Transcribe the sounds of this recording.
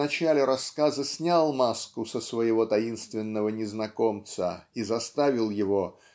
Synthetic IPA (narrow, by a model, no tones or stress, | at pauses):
nɐt͡ɕalʲɪɾɐskazəsʲnʲalˠmaskʊsəsvəjɪvo̞t̪ɐinst̪vʲɪnːəvənʲɪznɐko̞mt̪sə̰izɐst̪avʲɪlˠjɪvo̞